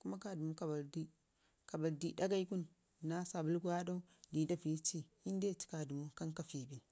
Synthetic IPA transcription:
ku˦ma˦ka˦du˨mu˦ka˨ba˨ɾdi˦ | ka˨ba˨ldi˦da˦ɡa˦i˦ku˦n | nːa˦sa˨bu˦lɡu˦wa˦da˦u˦di˨da˦pi˨˦t͡ʃi˦ | i˦n˦de˦˨t͡ʃi̥˦ka˨du˨mu˦ka˦ŋka˨fi˨bi˨

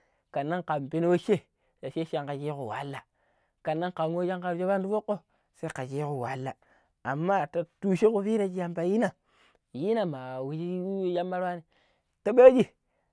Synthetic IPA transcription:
ka˨nːa˦ŋka˨mpi˦n˦wo˦ʃe˦ | ta˨ʃe˦ʃa˦˨ŋka˨d͡ʒi˦ku˨wa̰˨˦lːa˨ | ka˨nːa˦ŋka˨ŋo˦d͡ʒa˦ŋka˨ɾd͡ʒe˦ba˦ndu˦fo˦kːo˦ | se˦i˦ka˨t͡ʃi˦ku˨wa˨˦lːa˨ | a˨mːa˦˨ta˨tu˦ʃe˦ku˨fi˦ɾa˦˨d͡ʒi˦ja˨mpa˨ji˦na˨ | ji˦na˨ma˨wi˨d͡ʒi˦ja˦mːa˦ɾwa˦ni˨ | ta˦ɓa˦d͡ʒi˨

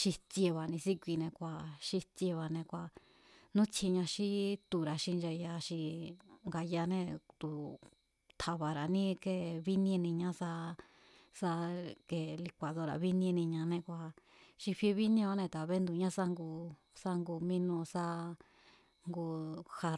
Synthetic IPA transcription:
ʃi˧t͡sje˧βa˨nĩ˧si˦kʷi˧nẽ˧kʷa˧˨ʃi˧t͡sje˧βa˨nẽ˧kʷa˧˨ | nũ˦t͡sʰi˧ɲã˧ʃi˦t̪u˧˨ɾa˧ʃi˧nd͡ʒa˧ja˧ʃi˧ŋɡa˧ja˧nẽ˧t̪u˨ | t̪ʰa˧βa˨ɾa˨nĩ˦ke˧βi˦nĩ˦ẽ˧nĩ˧ɲã˦sa˧ | sa˧ke˨li˧kʷa˨ðo˧ɾa̰˧βi˦ñ˧ẽ˧nĩ˧ɲã˧nẽ˧kʷa˧ | ʃi˧ɸe˧βi˦nĩ˦o˧˦nẽ˧t̪a˨βe˦nd̪u˧˨ɲã˦sa˧ŋɡu˧ | sa˧ŋɡu˧mĩ˦nũ˧sa˦ | ŋɡu˧ha˧

